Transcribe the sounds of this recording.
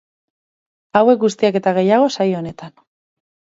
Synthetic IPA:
awe̞k̚ɡust̪iake̞t̪aɣe̞jaɣ̞o̞sajo̞ne̞t̪an

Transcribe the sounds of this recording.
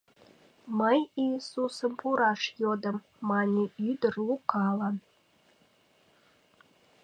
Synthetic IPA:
məjisusə̆mpuɾɑʃjod̪ə̆mː | ɑnʲiyd̪ə̆rukɑlˠɑn

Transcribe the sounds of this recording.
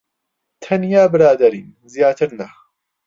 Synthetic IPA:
t̪ʰɐnjaːbɨɾaːd̪ɐɾiːn | zjaːt̪ʰɨɾnɐ

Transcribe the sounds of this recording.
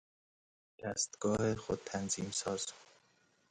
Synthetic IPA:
d̪̥æst̪ɡ̥ɒːhexod̪̚t̪ʰænziːmsɒːz̥

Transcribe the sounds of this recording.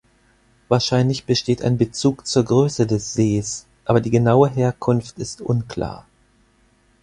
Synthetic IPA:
vaːɐʃaɪnlɪçb̥əʃteːta̰ɪnbət͡suːkt͡suːɐɡʁøːsədɛsz̥eːsʔaːbɐdiːɡənaʊəɦeːɐkʰʊnftɪstʔʊnkʰl̥a̰ːɐ

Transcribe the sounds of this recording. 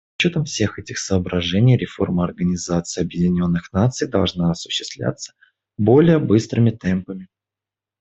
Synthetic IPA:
ʊ̥t͡ɕːo̞t̪əmfsʲe̞xɛtʲɪxsəːbɾɐʐɛnʲɪjɾʲɪfo̞̰rməɐrɡənʲɪzat̪sɨɪjɐbjɪdʲɪnʲo̞nːɨxnat̪sɨjd̪ɐlˠʐnaɐsʊ̥ɕːɪ̥st̪vlʲa̰t̪sːə̥ | bo̞lʲɪjəbɨst̪ɾɨmʲɪt̪ɛmpəmʲɪ

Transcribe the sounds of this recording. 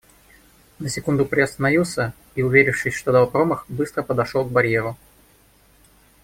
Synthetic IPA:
nəsʲɪkund̪ʊpɾʲɪɐst̪ənɐjusə | iʊvʲeɾʲɪfʂɨsʲʂt̪o̞d̪ɐlˠpɾoməxbɨst̪ɾəpəd̪ɐʂolˠɡ̚bɐɾʲjeɾʊ

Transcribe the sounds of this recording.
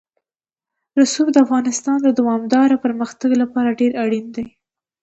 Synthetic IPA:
ɾʊsubd̪əafɣɑnɪst̪ɑnd̪əd̪awɑmd̪ɑɾapəɾməxt̪aɡlapɑɾaɖeɾaɽind̪aj

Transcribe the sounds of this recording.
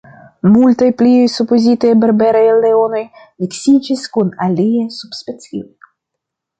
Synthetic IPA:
mult̪ajpliojsupozit̪ejbeɾbeɾajalːeo̞no̞j | miksid͡ʒiskunaliajsubspet͡sio̰j

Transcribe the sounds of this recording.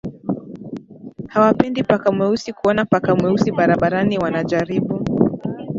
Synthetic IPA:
hawapɛndipakamwɛusikuɔnapakamwɛusiɓaɾaɓaɾaniwanaʄaɾiɓu

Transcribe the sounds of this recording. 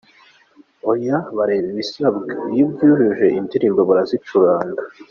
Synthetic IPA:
ojaβaɾeβiβisabɡejibɡuʒuʒe̞ʔintiɾimboβuɾazit͡ʃuɾaːŋɡa

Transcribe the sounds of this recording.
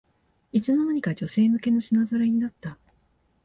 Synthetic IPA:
it͡sɨno̞naɲ̟ikad͡ʑo̞se̞ːmɯ̟ke̞no̞ɕinazoɾaɲ̟inat̪ːa

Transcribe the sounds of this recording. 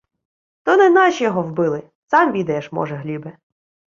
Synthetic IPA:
t̪ɔnɛnɑʃʲijɔɦɔwbɪlˠɪ | sɑmʋʲid̪ɐjɛʃmɔ̰ʒɛɦlʲibɛ

